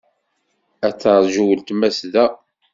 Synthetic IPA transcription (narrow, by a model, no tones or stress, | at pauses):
æt͡sːəɾˤʒuwəlt̪mæsðæ